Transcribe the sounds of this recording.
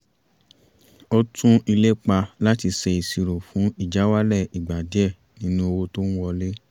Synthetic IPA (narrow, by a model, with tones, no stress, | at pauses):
ɔ˧tʰũ˦i˧le˦k͡pa˧la˦ti˧sɛ˧i˨si˧ɾo˨fũ˨˦i˦˨d͡ʒa˨˦wa˦lɛ˦˨i˨ɡ͡ba˨dɛ˦˨ | nĩ˦nũ˦o˧wo˧to˦ñ̩˦wɔ˧le˦